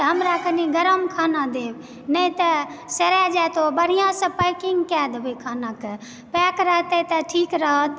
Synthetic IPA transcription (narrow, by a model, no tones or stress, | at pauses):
t̪ɦəmɾakəniɡəɾəmkʰaːnad̪eːb | nəĩt̪əseɾɛd͡ʒat̪obəɽ̤ijãsə̃pəɪkiŋɡkɛd̪bekʰaːnake | pɛkɾəɦət̪ət̪əʈʰiːkɾəɦət̪